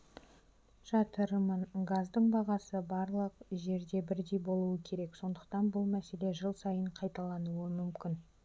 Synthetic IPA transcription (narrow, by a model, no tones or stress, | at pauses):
ʒ̥ɑt̪əɾəməɴɡazd̪əɴbɑʁɑsəbɑɾlˠəq̚ʒe̞ɾd̪e̞bɪɾd̪e̞jbo̞lˠuəkʲʰe̞ɾe̞kso̞nd̪əqt̪ɑnbʊlˠmæse̞le̞ʒəlˠsɑjəɴqʰɑjt̪ɑlˠɑnuəmʏmkʲɪn